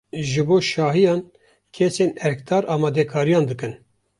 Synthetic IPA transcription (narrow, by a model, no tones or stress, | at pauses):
ʒɨboːʃɑːɦijɑːn | kʰeseːnɛɾkt̪ʰɑːɾʔɑːmɑːd̪ɛkʰɑːɾijɑːnd̪ɨkɨn